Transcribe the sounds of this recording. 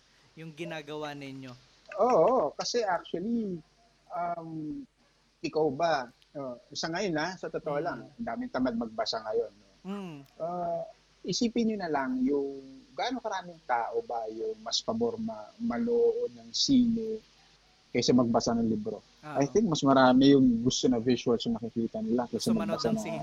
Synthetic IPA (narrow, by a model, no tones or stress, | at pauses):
jʊŋɡɪnaːɡɐwanɪno | ʔoːʔokɐsɛʔak̚t͡ʃʊɐli | ʔɐm | ʔɪkawba | ʔosɐŋɐjo̞nasɐt̪ot̪ːɐʔolɐŋɐnd̪aːmɪŋt̪ɐmad̪̚mɐɡ̚bɐsaŋɐjo̞nːoʔa | ʔɪsiːpɪnɲonɐlɐŋjʊŋɡaːnokɐɾaːmɪŋt̪aːʔo̞bajʊŋmɐspɐbo̞ɾmɐmɐloːʔod̪̚nɐŋsiːlɪ | kɐjsɐmɐɡ̚bɐsanɐŋlibɾo̞ | ʔajt̪ɪŋk̚mɐsmɐɾaːmɪjʊŋɡʊst̪o̞nɐviʃuɐlsɐŋnɐkɪkiːt̪ɐnɪlakɐsɛmɐɡ̚bɐsanɐŋ